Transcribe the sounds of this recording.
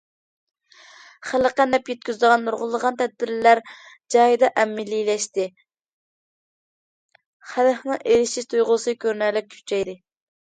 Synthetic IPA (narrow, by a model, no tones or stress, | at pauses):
χæləqænɛpjet̪̚kʲyzd̪əʁɑnːuɾʁʊlˠəʁɑnt̪ʰɛd̪̚bɪɾlæɾ | d͡ʒɑjid̪ɑʔɛmːɪlilɛʃt̪ɪ | χæləχnɨŋʔeɾɪʃiʃt̪ʰujʁʊsɨkʲʰøɾnɛlɪp̚kʲʰy̥t͡ʃʰɛjd̪ɪ